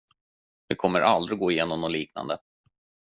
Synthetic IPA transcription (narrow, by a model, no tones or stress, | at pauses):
v̥ɪkʰɔmːəɾʔald̪ɾɪɡoːɪjeːnɔmnɔliːkna̰nd̪ə